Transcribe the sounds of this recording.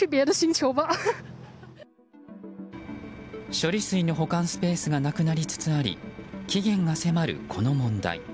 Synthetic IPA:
ɯbʲeaɾoɕĩnt͡ɕoːba | ɕo̞ɾʲisɨino̞ɦo̞kãɰ̃sɨ̥pe̞ːsɨɡanakɯnaɾʲit͡sɨ̥t͡sɨaɾʲḭkʲiɡẽ̞ŋɡase̞maɾɯ̟̰kʰo̞no̞mõ̞nd̪a̰ḭ

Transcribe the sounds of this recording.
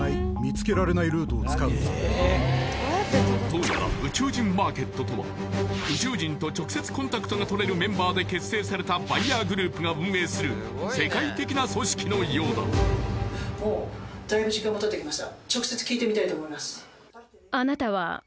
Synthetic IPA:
aimʲit͡sɨ̥ke̞ɾaɾe̞naiɾɯ̟ːt̪oːt͡sɨ̥kaɯ | d̪o̞ːnaɾa̰ɯ̟t͡ɕɨːd͡ʑĩmːaːke̞t̪ːo̞t̪o̞βa̰ | ɯ̟t͡ɕɨːd͡ʑĩnt̪o̞t͡ɕo̞kɯ̟se̞t͡sɨ̥kõ̞nt̪akɯ̥t̪oɡat̪o̞ɾe̞ɾɯ̟mẽ̞mbaːd̪e̞ke̞sːe̞ːsaɾe̞t̪abaiaːɡɯ̟ɾɯ̟ːpɯ̟ɡabɯ̟̃m̃ːe̞ːsɨɾɯ̟ | se̞kait̪e̞kʲinaso̞ɕi̥kʲino̞ijo̞ːd̪a̰ | mo̞ːd̪̥aibɯ̟ʑikãmːot̪ot̪ːekʲimaɕi̥t̪at͡ɕo̞kse̞t͡sɨ̥kʲiːt̪e̞mʲit̪ait̪oːmo̞imasɨ̥ | anat̪aβa̰

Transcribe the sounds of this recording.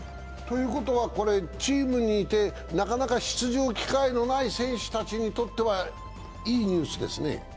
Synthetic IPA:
t̪o̞jɯ̟ːko̞t̪o̞βako̞ɾe̞t͡ɕiːmɯ̟ɲ̟iːt̪e̞ | nakanakaɕi̥t͡sɨʑo̞ːkʲi̥kaino̞naisẽ̞ɰ̃ɕɨ̥t̪at͡ɕiɲ̟it̪o̞t̪ːe̞βa | iːɲ̟ɨːsɨd̪e̞̰sɨnḛ

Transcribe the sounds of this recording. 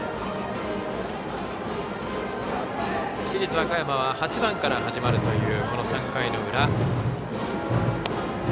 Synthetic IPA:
ɕiɾʲit͡sɨβakajamaβahat͡ɕibãŋkaɾaɦaʑimaɾɯ̟t̪o̞jɯ̟ːko̞no̞sãŋkaino̞ɯ̟ɾa

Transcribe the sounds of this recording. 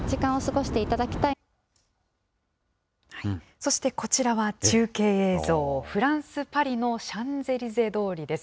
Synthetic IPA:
d͡ʑikãɰ̃o̞sɨɡo̞ɕi̥t̪e̞it̪ad̪akʲi̥t̪a | haiso̞ɕi̥t̪e̞ko̞t͡ɕiɾaβat͡ɕɨːke̞ːeːzo̞ːɸɯ̟ɾãɰ̃sɨpaɾʲino̞ɕãnd͡ze̞ɾʲize̞d̪o̞ːɾʲid̪e̞s

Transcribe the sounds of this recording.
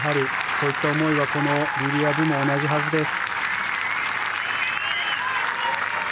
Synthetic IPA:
ɦaɾʲi | so̞ːit̪ːaomo̞iβako̞no̞bʲiɾʲiabɯ̟mo̞ːnaʑiɦazɨd̪e̞sɨ̥

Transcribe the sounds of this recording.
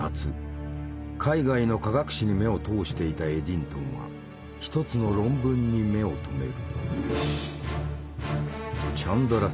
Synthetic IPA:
at͡sɨ | kʰaiɡaino̞kaɡakɯ̟̥ɕiɲ̟ime̞o̞t̪o̞ːɕi̥t̪e̞it̪ae̞d̪ʲĩnt̪õ̞ɰ̃βa̰ | çi̥t̪o̞t͡sɨno̞ɾõ̞mbɯ̟̃ɲ̟ːime̞o̞t̪ʰo̞me̞̰ɾɯ̟ | t͡ɕãnd̪oɾa

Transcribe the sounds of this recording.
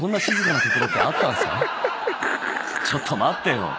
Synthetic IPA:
õ̞nːaɕizɨkanat̪okʲiɾokːat̪ːãɰ̃sa̰ | t͡ɕo̞t̪ʰːo̞mat̪ːejo̰

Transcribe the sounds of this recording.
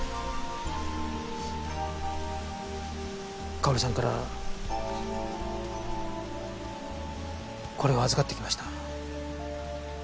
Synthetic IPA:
kaoɾɯsãŋkaɾa̰ | ko̞ɾe̞aazɨkat̪ːe̞kʲimaɕi̥t̪ḁ

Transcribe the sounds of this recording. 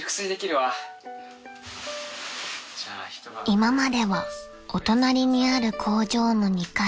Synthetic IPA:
kɯ̥sɨɾid̪ekʲiɾɯ̟βa | imamad̪e̞βa | o̞t̪o̞naɾʲiɲ̟iaɾɯ̟kʰo̞ːʑo̞ːno̞ɲ̟ika

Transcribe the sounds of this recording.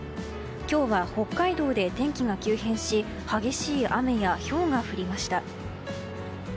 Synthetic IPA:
kʲo̞ːβaho̞kːaid̪o̞ːd̪e̞t̪ẽ̞ŋkʲiŋakʲɨːhẽ̞ɰ̃ɕi | haɡe̞ɕiːʔame̞jaço̞ːŋaɸɯ̟ɾʲimaɕi̥t̪a

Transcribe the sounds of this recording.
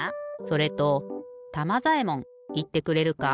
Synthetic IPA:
so̞ɾe̞t̪o̞t̪amazaemõ̞ŋ | it̪ːe̞kɯ̟ɾe̞ɾɯ̟ka

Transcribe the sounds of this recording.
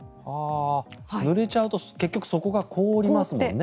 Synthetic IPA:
haː | nɯ̟ɾe̞t͡ɕaɯ̟t̪o̞ke̞kʲːokɯ̟̥so̞ko̞ɡakʰo̞ːɾʲimasɨmõ̰nːe

